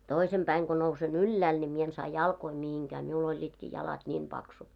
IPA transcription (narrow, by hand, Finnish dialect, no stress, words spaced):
toisem pæiŋ ɡ̊o nousen ylːæːl nʲi mie en sɑː jɑlkoi mihiŋkæː miul olʲːiːtkiː jɑlɑt nʲiːm pɑksut